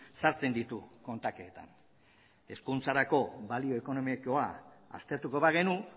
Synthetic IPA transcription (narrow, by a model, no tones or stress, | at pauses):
saɾt͡se̞nd̪it̪uko̞nt̪ake̞ːt̪a̰n | e̞skunt͡saɾako̞balio̞eko̞no̞miko̞aa̰st̪e̞ɾt̪uko̞βaɣ̞e̞nu